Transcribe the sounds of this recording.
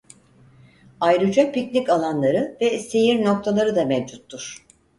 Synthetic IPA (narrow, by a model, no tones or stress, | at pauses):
ajɾɯd͡ʒapicnikalˠanlˠaɾɯvɛse̞jiɾno̞k̚t̪ʰalˠaɾɯd̪amɛvd͡ʒut̪ʰːuɾ̥